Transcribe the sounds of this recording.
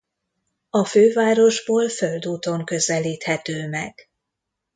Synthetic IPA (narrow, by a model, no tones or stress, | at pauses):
ɒføːvaːɾo̞ʒboːlfø̞ld̪uːt̪o̞ŋkø̞zɛliːt̪hɛt̪øːmɛɡ̥